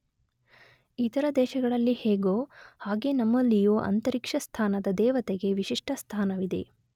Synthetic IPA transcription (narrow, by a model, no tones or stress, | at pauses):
iːt̪ɐɾɐd̪ɛːʃɐɡɐɭɐlːiheːɡoːhaːɡe̞nɐmːɐlːijuːʔɐ̰nt̪ɐɾikʂɐst̪ʰaːnɐd̪ɐd̪ɛːʋɐt̪eɡe̞ʋiʃiʂʈʰɐst̪ʰaːnɐʋid̪e̞̰